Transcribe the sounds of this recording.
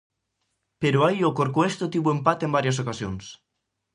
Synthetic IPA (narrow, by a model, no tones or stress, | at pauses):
peɾoajokoɾkoest̪ot̪iβuempat̪embaɾjas̬okasjons